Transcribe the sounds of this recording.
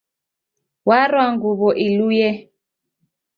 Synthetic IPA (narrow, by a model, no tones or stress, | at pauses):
waɾwaŋɡuβɔʔilujɛ